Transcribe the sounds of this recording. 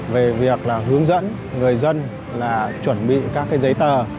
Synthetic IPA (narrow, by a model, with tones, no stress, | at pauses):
ve˨˩vi˨˩ək̚laː˨˩ɦɨ˨˦əŋzə̰˧˥n | ŋɨ˨˩əjzə˧n | laː˨˩t͡ɕwə˧˩nɓḭ˧˨kaː˦˥k̚ːaː˨˦jzə˨˦jt̪əː˨˩